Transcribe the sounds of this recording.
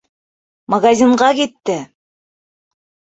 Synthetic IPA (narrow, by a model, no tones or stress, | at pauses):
mɐɡazʲiɴɢɑkit̪ːɘ